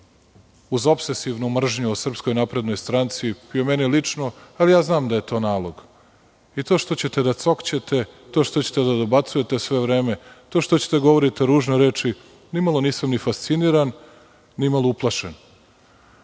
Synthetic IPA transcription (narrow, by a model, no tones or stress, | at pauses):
uzo̞pse̞siʋnumr̩ʒɲuosr̩psko̞jnapɾe̞d̪no̞jst̪ɾant̪sipiomenilit͡ʂno̞alijaːznaːmd̪aje̞t̪o̞ːnaːlˠo̞ɡ | it̪o̞ːʃt̪ot͡ɕe̞t̪e̞d̪at̪so̞kt͡ɕet̪e | t̪oʃt̪o̞t͡ɕet̪ed̪ad̪obat̪suje̞t̪e̞sʋe̞ʋɾe̞ːme̞t̪o̞ʃt̪o̞t͡ɕet̪eɡo̞ʋo̞ɾit̪eɾuːʒnoɾe̞ːt͡ʃi | nimalˠo̞niːsamnifast̪siniːɾan | nimalˠouplˠaʃen